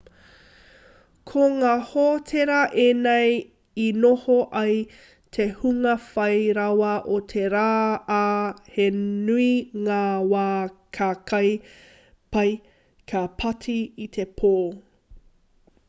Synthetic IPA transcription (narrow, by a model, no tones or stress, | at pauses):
kʰoŋaːhoːtʰeɾɐʔeːnej | inohoʔɐj | tʰehuŋɐfɐjɾɐwɐʔotʰeɾaːaːhenuiŋaːwaːkʰakʰɐj | pɐj | kʰapʰɐtʰiit̪ʰepʰoː